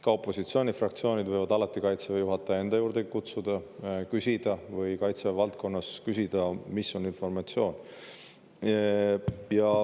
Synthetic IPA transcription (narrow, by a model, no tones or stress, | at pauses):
kɑo̞pˑːo̞sit̪sio̞ːnʲifrɑk̚t̪sio̞ːnʲid̪̥vɤjvɑd̪̥ɑlɑt̪ːˑikɑjt̪sevejuɦɑt̪ˑːɑe̞nd̪̥ɑjuːɾd̪eɡikut̪sud̪̥ɑkysʲid̪̥ɑvɤjkɑjt̪se̞vɑlt̪̚kʰo̞nːɑskysʲid̪̥ɑmisːo̞ninfo̞rmɑt̪sio̞ːn | jɑ